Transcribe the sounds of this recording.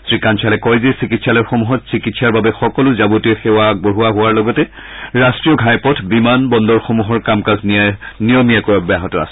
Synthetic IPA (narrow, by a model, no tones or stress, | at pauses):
sɹikant͡ʃʰalɛkɔjzesikitsalɔɹxomuɦɔtsikitsaɹbabɛxɔkɔlʊzabutiɛxewaboɹuwaɦʊwaɹlɔɡɔtɛ | ɹastɹijɔɡʱajpɔtʰbimanbɔndɔɹxomuɦɔɹkamkazninijɔmijakɔjɔbaɦɔtɔa̰sɛ